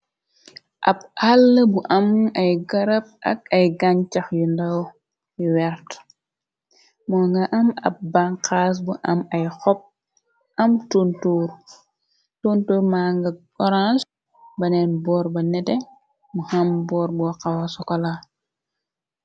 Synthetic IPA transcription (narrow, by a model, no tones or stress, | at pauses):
ʔɐ̰b̚alːəbuʔɐmɐjɡɐɾɐp̚ʔɐ̰k̚ɐjɡaɲt͡ʃɐxjundɐw | jiwɛɾt | mɔːŋɡɐʔɐmɐ̰p̚baŋqaːs̬buʔɐmɐjxɔp̚ | ʔɐmtuntuːɾ | tuntuːɾmaːŋɡɐ | ɔɾans | bɐnɛnbɔːɾbɐnɛtɛ | muhɐmbɔːɾbɔxɐwɐsɔkɔla